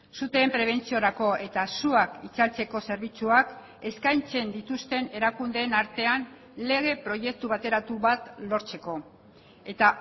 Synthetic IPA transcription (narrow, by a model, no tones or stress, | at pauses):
sut̪e̞ːmpɾe̞β̞e̞nt͡sioɾako̞e̞t̪asuakit͡salt͡se̞ko̞se̞ɾβ̞it͡suak | e̞skajnt͡se̞nd̪it̪ust̪e̞ne̞ɾakund̪eːnaɾt̪e̞an | le̞ɣ̞e̞pɾo̞je̞k̚t̪uβat̪e̞ɾat̪uβat̪lo̞ɾt͡se̞ko̞ | e̞t̪a